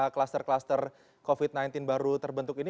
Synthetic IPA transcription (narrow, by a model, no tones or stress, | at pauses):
klast̪ərklast̪ər | kofit̪̚najnt̪ɪnbaɾut̪ərbənt̪ʊkini